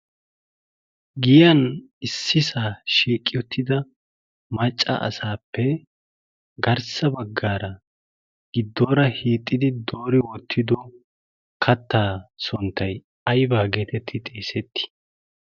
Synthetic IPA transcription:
ɡɪjɐn | ɪsːɪsaːʃiːkʼːɪjɔt̪ʰːɪd̪ɐ | mɐt͡ʃʼːɐ̰ʔɐ̰saːpːɛ | ɡɐɾsɐbɐɡːaːɾɐ | ɡ̥ɪd̪ːo̞ːɾɐhiːt̪ʼːɪd̪ɪd̪o̞ːɾɪwɔt̪ʰːɪd̪ɔ | kʰɐt̪ːaːsɔnt̪ːɐj | ɐjbaːɡeːt̪ɛt̪ʰːɪt̪ʼeːsɛt̪ːɪ̥

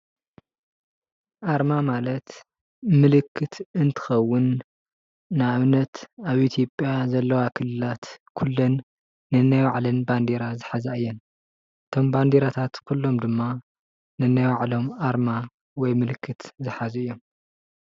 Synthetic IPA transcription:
ʔaɾmamalɐt̪ | mɨlɨkʰːɨt̪ɨnt̪ʰɨ̥xɐwːʊnː | ɨaβnɐt̪aβʔit̪ʰjopʼjazɐlːɐwakʰɨlːɨlat̪kʰulːɐnː | ɨnːajwaʕlɨnband̪eɾazɨħazaɨjːɛn | ʔɨt̪ʰo̞mband̪eɾat̪ʰat̪kʰulːo̞md̪ɨmːa | nɨnːajwaʕlo̞mʔaɾma | wɔjmɨlɨkʰːɨt̪zɨħazɨjːo̞m

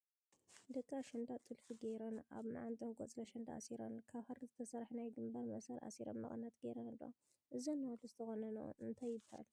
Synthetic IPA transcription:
d̪ɐkʼːaʃɪnd̪at̪ʼɨlfiɡejɾona̰βma̰ʕant̪ʼɐwɡʼot͡sʼlɐʃɐnd̪aa̰siɾonkʰaβhɐɾɨzɨt̪ʰɐsɐɾħnajɡɨmbɐɾmɐsɐɾʔa̰siɾomːɐ̰χʼɨnːɐt̪ɡeɾɐnɨlːo̰ | ʔɨzonːawluzɨt̪ʰɐxonɐnṵɨnt̪ʰajːɪbha̰l

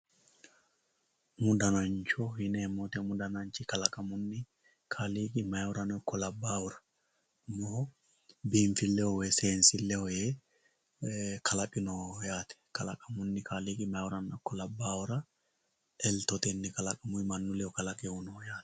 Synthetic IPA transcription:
mʊd̪ɐnɐnt͡ʃɔhɪnɛːmːot̪ɛmʊd̪ɐnɐɲt͡ʃɪkɐlɐkʼɐmʊnːɪ | kʰaliːkʼɪmɐjɔɾɐnɔɪkːɔlɐbːaːwʊɾɐ̥ | mɔhɔ | biːɱfɪlːɛhɔwɛseːnsɪlːɛhɔjeː | kʰɐlɐkʼɪnɔjaːt̪ɛ̥kɐlɐkʼɐmʊnːɪkʰaliːkʼɪmɐjwɔɾɐnɔɪkːɔlɐbːaːwʊɾɐ | ʔɛlt̪ɔt̪ɛnːɪkɐlɐkʼɐmʊɪmɐnːʊlɛɔkɐlɐkʼɪʊnɔjaːt̪ɛ̥

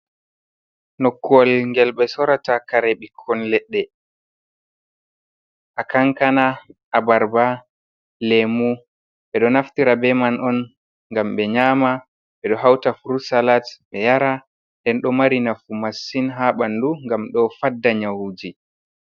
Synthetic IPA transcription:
nɔkːwɔlŋɡɛlɓɛsɔɾatakaɾɛɓikʰːɔnlɛɗːɛ | ʔakaŋkanaʔabaɾba | lɛmu | ɓɛɗɔnaftiɾabɛmanʔɔn | ŋɡamɓɛɲaːma | ɓɛɗɔɦawtafuɾusalatɓɛjaɾa | ndɛnɗɔmaɾinafumasːinɦaɓanduŋɡamɗɔfadːaɲawud͡ʒi

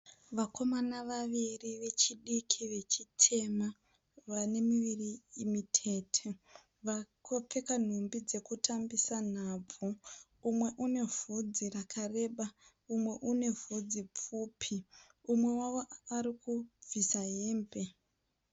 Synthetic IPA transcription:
ʋakʰo̞manaʋaʋiriʋe̞t͡ʃiɗikʰiʋe̞t͡ʃitʰe̞ma | ʋane̞miʋiriːmitʰe̞tʰe | ʋakʰop͡fekan̤umbid͡ze̞kutambisan̤ab͡vuː | mwe̞ʔune̞v̥ud͡zirakʰare̞ɓa | umwe̞ʔune̞vud͡zip͡fuːpʰi | umwe̞waʋo̞aɾikub͡visaɦeːmbe̞

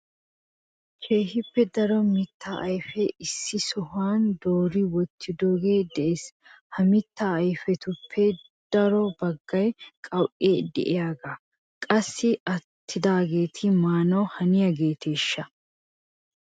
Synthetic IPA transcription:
t͡ʃʰeːhɪpːɛd̪ɐɾɔmɪt̪ːaːʔɐjfɛɪsːɪsɔhʊaːnd̪o̞ːɾɪwɔt̪ʰːɪd̪oːɡe̞ːd̪ɛʔes | hɐmɪt̪ːaːjfɛt̪ʊpʰːɛ | d̪̥ɐɾɔbɐɡːɐjkʼɐwʔed̪ɛ̰ʔɪjaːɡaː | kʼɐsːɪʔɐt̪ʰːɪd̪aːɡe̞ːt̪ʰɪmaːnɔhɐnɪjɐɡe̞ːt̪ʰe̞ːʃːɐ

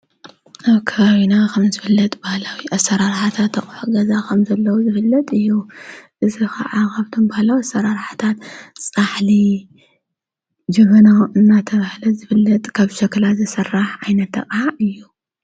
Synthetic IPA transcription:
ʔaβkʰɐβaβinakʰɐmzɨfɨlːɐt̪ʼbahlawiʔɐsːɐɾaɾħat̪ʰat̪ʰːɐχʼħuɡɐzakʰɐmzɐlːɐwuzɨfɨlːɐt̪ʼɨjːuʔɨzixa̰ʕaɣaβt̪ʰombahlawiɐsɐɾaɾħḁt̪ʰat̪sʼaħli | d͡ʒɨɣɐnaʔɨnːat̪ʰɐβahlɐzɨfɨlːɐt̪ʼkʰaβʃɐklazɨsɨrːaħʕajnɐt̪ːɐ̰qʼaɨjːu

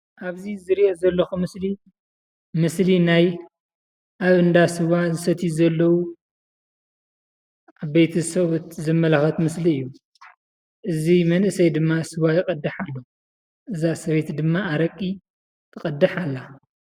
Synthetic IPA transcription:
ʔaβzizɨɾiʔozɐlːɐxumɨsli | mɨslinaj | ʔaβɨnd̪asɨwazɨsɐt̪ʰizɐlːɐwu | aβbejt̪ʰɐsɐβot̪zɨmːɐlaxɐt̪mɨsliɨjːu | ʔɨzimɐnʔɨsɐjd̪ɨmːasɨwajɪkʼɐd̪ːɨħalːo | ʔɨzasɐβe̞t̪d̪ɨmːaːɾɐkʼːi | kʰɨqʼɐd̪ːɨħalːa

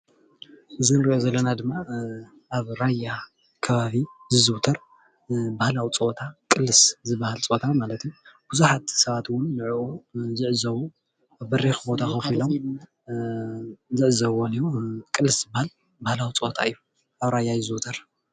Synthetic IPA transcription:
ʔɨzinɾiʔozɐlːɐnad̪ɨmːa | aβɾajːa | kʰɐβaβizɨzɨwt̪ʰɐɾ | bahlawit͡sʼoot̪ʰakʼɨlːɨszɨbahalt͡sʼot̪ʰamalɐt̪jb̥uzuħat̪sɐβat̪wʊnlɨʕʔuzɨʕzɐwu | aβbɐɾixbo̞t̪ʰaxɐfilom | zɨʕzɐβonijukʼɨlːɨsz̥ɨbahal | bahlawit͡sʼɨot̪ʰaɨjːu | ʔaβɾajːajɨzɨwt̪ʰɐɾ

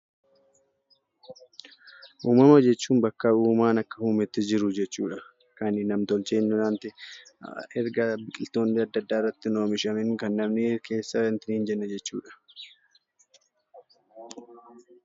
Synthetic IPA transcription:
ʔuːmɐmɐd͡ʒɛt͡ʃːuːnbɐkːɐuːmaːnɐkːɐhuːmɪt̪ːɪd͡ʒɪɾʊd͡ʒɛt͡ʃːuːᶑɐ | kɐnɪnɐmt̪ɔlt͡ʃeːnːʊnaːnt̪ɪ | ɛɾɡɐbɪkʼɪlt̪o̞ːnːɪɐd̪ːɐd̪ːaːrːɐt̪ːɪno̞ːmɪʃɐmɪŋkɐnːɐbnɪke̞ːsːɐnt̪ɪniːnd͡ʒɛnːɐd͡ʒɛt͡ʃːṵːᶑɐ̥

